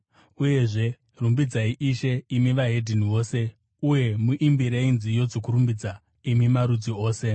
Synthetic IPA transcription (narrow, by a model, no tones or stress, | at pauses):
uje̞ʐe̞ | rumbid͡zaiʔiʃeimiʋaɦe̞dʱiniʋo̞ːse̞ | uje̞muʔimbiɾeinzijo̞d͡zokuɾumbid͡za | imimaɾud͡zio̞ːse̞